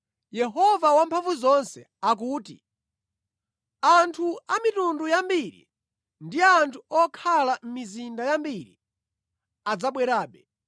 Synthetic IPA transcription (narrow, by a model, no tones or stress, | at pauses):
jɛɦɔvawampʰaɱvuzɔnsɛ | ak̬uːtḭ | antʰuamitundujambiɾḭ | ndiantʰuɔkʰalam̩mizindajambiɾḭ | ad͡zaɓwɛɾaːɓɛ